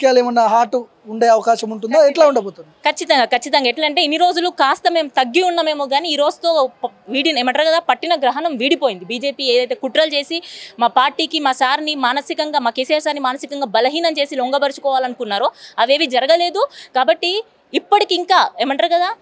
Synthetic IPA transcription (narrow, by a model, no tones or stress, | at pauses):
kjaːleːmɐnːɐɦaːʈuː | ɳɖajɐʋɐkaːʃɐmuɳʈund̪oːɛʈlaːuɳɖɐboːt̪und̪ikʰɐt͡ʃːit̪ɐŋɡaːkɐt͡ʃːit̪ɐŋɡaːeʈlɐɳʈe̞ːiniɾo̞ːd͡ʒulukaːst̪ɐme̞ːmut̪ɐɡːiunːɐme̞ːmuɡaːniːiːɾo̞ːd͡ʒut̪o̞ːʋiːɽineːmɐɳʈɐɾkɐd̪aːpɐʈːinɐɡɾɐɦɐnɐmʋiːɽipoːjind̪ibiːd͡ʒe̞ːpiːeːd̪ɐjt̪eːkuʈɾɐlt͡ʃe̞ːsimaːpaːɾʈiːkimaːsaːɾnimaːnɐsikɐŋɡaːmaːkeːsijaːɾsaːɾnimaːnɐsikɐŋɡaːbɐlɐɦiːnɐmt͡ʃe̞ːsilɔŋɡɐbɐɾit͡ʃu̥kɔːʋaːlɐnukunːaːɾoɐʋe̞ːʋid͡ʒɐɾɐɡɐle̞ːd̪ukaːbɐʈːiː | pːɐʈikiːŋkaːeːmɐɳʈɾɐɾkɐd̪aː